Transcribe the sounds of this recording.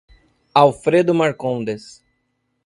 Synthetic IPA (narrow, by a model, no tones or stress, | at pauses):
awfɾed̪ʊmaɾkõnd̪es